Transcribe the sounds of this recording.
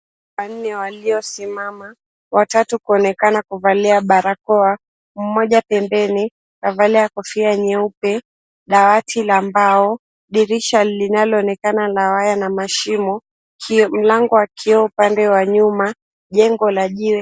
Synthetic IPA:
wan̩nɛwaliɔsimama | watatukuɔnɛkanakuvaliaɓaɾakɔa | m̩mɔʄapɛmbɛni | kavaliakɔfiaɲɛupɛ | ɗawatʰilambaɔ | ɗiɾiʃalinalɔːnɛkanalawajanamaʃimɔ | km̩laŋɡɔwakʰiɔupandɛwaɲuma | ʄɛŋɡɔlaʄiwɛ

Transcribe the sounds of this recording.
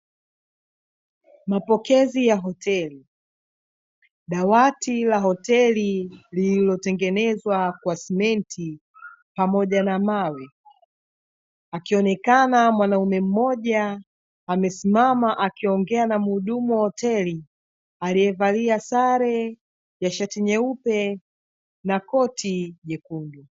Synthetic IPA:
mapɔkɛzijaɦɔtʰɛli | ɗawatilaɦɔtɛlililɔtɛŋɡɛnɛzwakwasɛmɛntʰi | pamɔʄanamawɛ | akiɔnɛkanamwanaumɛm̩mɔʄaː | mɛsimamaʔakiɔŋɡɛanamuhuɗumuhɔtɛli | aliɛvaliasaɾɛ | jaʃatiɲɛupɛ | nakɔtʰiʄɛkundu

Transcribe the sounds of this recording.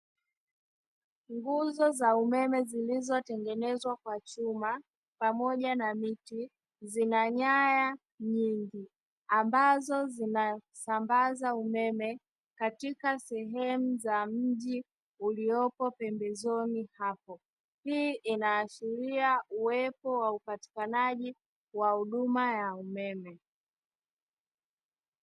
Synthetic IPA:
ŋɡuzɔzaumɛmɛzilizɔtɛŋɡɛnɛzwakwat͡ʃuma | pamɔʄanamiti | zinaɲaja | ɲiŋɡi | ambazɔzina | sambazaumɛmɛ | katikasɛɦɛmuzam̩ʄi | ulijɔpɔpɛmbɛzɔnihapɔ | hiːʔinaːʃiɾiauwɛpɔwaupati̥kanaʄi | wahuɗumajaumɛmɛ

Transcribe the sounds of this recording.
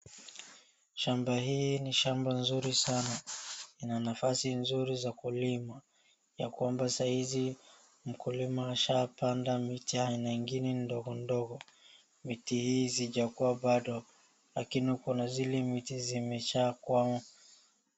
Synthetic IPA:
ʃambaɦiːniʃambanzuɾisanainanafasinzuɾizakulima | jakwambasahizi | m̩kulimaːʃapandamitiahainaŋɡinɛndɔɣɔndɔɣɔ | mitihiːziʄakuwaɓaɗɔ | lakinihukɔnazilɛmitizimɛt͡ʃakwamɔ

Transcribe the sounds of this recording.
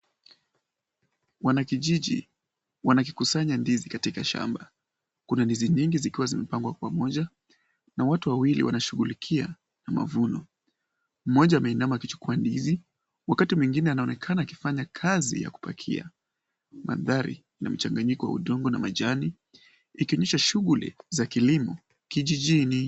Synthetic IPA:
wanakiʄiʄḭ | wanak̬i̥kusaɲandizikatikaʃa̰mba | kunandiziɲiŋɡizikiwazimɛpaŋɡwakwamɔʄa | nawatuwawilḭwa̰naʃuɣulikʰia̰ | nama̰vunɔ | m̩mɔʄaamɛinamaːkit͡ʃu̥kuandizi | wakatimwiŋɡinɛanaɔnɛkʰanaːki̥faɲakʰazḭja̰ku̥pa̰kʰḭa̰ | ma̰ðaɾḭ | na̰m̩t͡ʃaŋɡaɲikɔwa̰ṵɗɔŋɡɔnamaʄaniː | kiɔɲɛʃaʃuɣulḭzakilimɔ | kiʄiʄini

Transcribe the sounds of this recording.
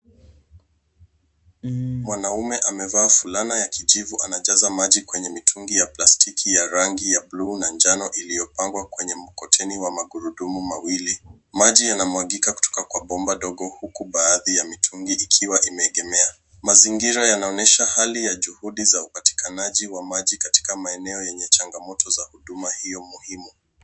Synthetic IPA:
mwanaumɛʔamɛvaːfulanajakiʄivuʔanaʄazamaʄikwɛɲɛmitʰuŋɡijaplastikʰijaɾaŋɡijablunand͡ʒanɔʔilijɔpaŋɡwakwɛɲɛmukɔtʰɛniwamaɡuɾuɗumumawili | maʄijanamwaɠikaku̥tɔ̥kakwaɓɔmbaɗɔɡɔhukuɓaːðijamitʰuŋɡiikʰiwaʔimɛːɠɛmɛa | maziŋɡiɾajanaɔnɛʃahalijaʄuhuɗizaupati̥kʰanaʄiwamaʄikati̥kamaɛnɛɔjɛɲɛt͡ʃaŋɡamɔtʰɔzahuɗumahijɔmuhimu

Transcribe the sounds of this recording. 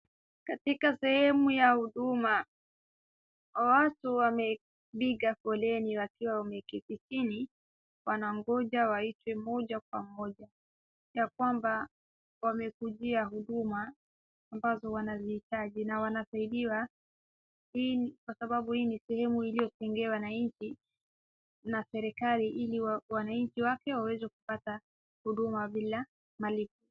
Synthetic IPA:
katikasɛhɛmujahuɗuma | watuwamɛ | ɓiɠafɔlɛniwakiwaɔmɛkitisini | wanaŋɡɔʄawaitwɛmɔʄak̚wamɔʄa | jak̚wamba | wamɛkuʄiaɦuɗumaː | mbazɔwanazihitaʄinawanasaiɗiwa | hiːkwasaɓaɓuhiːnisɛhɛmuilijɔsɛŋɡɛawanaɲt͡ʃi | nasɛɾɛkaliʔiliwanaɲt͡ʃiwakɛwawɛzɛku̥pata | huɗumaɓila | malip̚u

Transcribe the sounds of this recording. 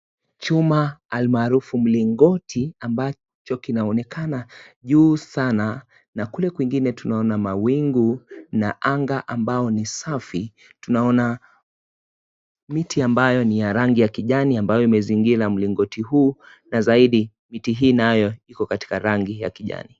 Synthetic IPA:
t͡ʃumaːlmaːɾufum̩liŋɡɔtʰiamba | t͡ʃɔkinaɔnɛkʰanaʄuːsana | nakulɛkwiŋɡinɛtunaɔnamawiŋɡunaʔaŋɡaʔambaɔnisafi | tunaɔna | mitʰiambajɔnijaɾaŋɡijakiʄaniambajɔimɛziŋɡiɾam̩liŋɡɔtihuː | nazaiɗi | mitiɦiːnajɔikɔkati̥kaɾaŋɡija̰kiʄa̰ni

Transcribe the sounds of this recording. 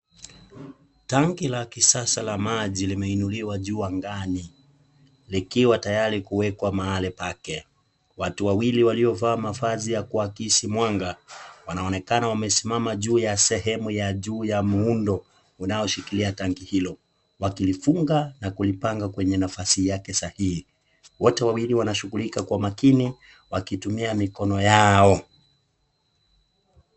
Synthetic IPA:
taŋɡilakisasalamaʄilimɛinuliwaʄuːaŋɡani | likiwatajaɾikuwɛkwamaalɛpakɛ | watuwawiliwaliɔvaːmafazijakuwakiʃimwaŋɡawanaɔnɛkanawamɛsimamaʄuːjasɛɦɛmujaʄuːjamuundɔ | unaɔʃikiliataŋɡihilɔ | wakilifuŋɡanakulipaŋɡakwɛɲɛnafasijakɛsahihi | wɔtɛwawiliwanaʃuɣulikakwamakini | wakitumiamikɔnɔjaɔ

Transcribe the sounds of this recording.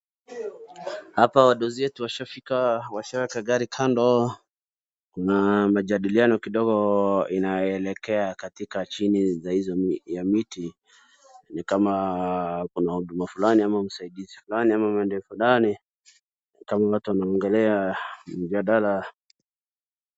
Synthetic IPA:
hapawaɗɔziwɛtuwaʃafikawaʃawɛkaɡaɾikʰandɔ | kunamaʄaɗilianɔkiɗɔɡɔinajɔɛlɛkɛakatikat͡ʃinizahizɔjamiti | nikama | kunahuɗumafulaniamam̩saiɗizifulaniamamaɛndɛfulani | kamawatuwanaɔŋɡɛlɛam̩d͡ʒaɗala

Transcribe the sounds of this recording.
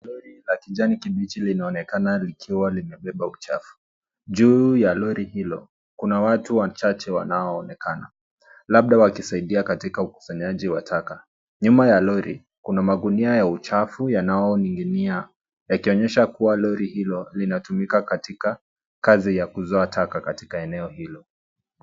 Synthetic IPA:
lɔɾilakiʄanikiɓit͡ʃilinaɔnɛkanalikʰiwalimɛɓɛɓaut͡ʃa̰fu̥ | ʄuːjalɔɾihilɔ | kunawatuwat͡ʃat͡ʃɛwa̰naɔːnɛkana | laɓ̚ɗawakisaiɗiakatikauku̥saɲaʄiwatʰaka | ɲumajalɔɾi | kunamaɡuniajaut͡ʃafujanaɔniŋɡinia | jakiɔɲɛʃakuwalɔɾihilɔlinatumikakatika | kazijakuzɔatʰakakatikaɛnɛɔhilɔ

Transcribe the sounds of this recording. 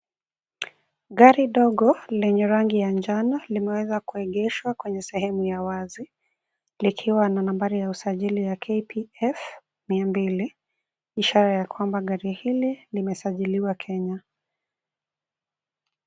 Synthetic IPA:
ɠaɾiɗɔɠɔlɛɲɛɾaŋɡijand͡ʒanalimɛwɛzakuɛɠɛʃwakwɛɲɛsɛhɛmujawazi | likʰiwananambaɾijausaʄilijakʰepʰiɛf | miambili | iʃaɾajakwambaɠaɾihililimɛsaʄiliwakʰɛɲa

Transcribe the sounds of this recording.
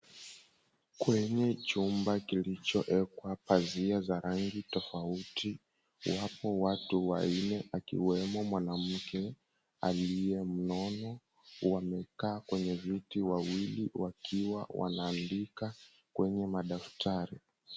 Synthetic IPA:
kwɛɲɛt͡ʃumbakilit͡ʃɔʔɛkwapaziazaɾaŋɡitɔfauti | wapɔwatuwa̰inɛʔakḭwɛmɔmwanam̩kɛ | aliɛm̩nɔnɔ | wamɛkaːkwɛɲɛvitiwawiliwakʰiwa̰wʔa̰naːndika | kwɛɲɛmaɗaftʰaɾi

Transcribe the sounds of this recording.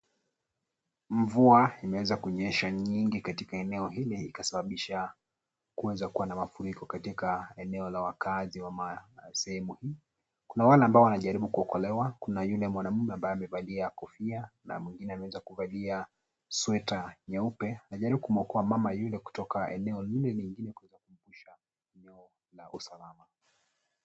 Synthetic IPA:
ɱvuaimɛwɛzakuɲɛʃaɲiŋɡikatikaɛnɛɔɦiliːkasaɓaɓiʃa | kuwɛzakuwanamafuɾikɔkatikaɛnɛɔlawakaziwamasɛhɛmuhiː | kunawalɛambaɔwanaʄaɾiɓukuɔkɔlɛwakunajulɛmwanam̩mɛambajɛamɛvaliakɔfiana̰mwiŋɡinɛamɛwɛzakuvalia | swɛtaɲaupɛanaʄaɾiɓukumɔkɔamamajulɛku̥tɔkaɛ̰nɛɔlilɛliŋɡinɛkuwɛzakum̩puʃa | ɛnɛɔ | laʔusalama

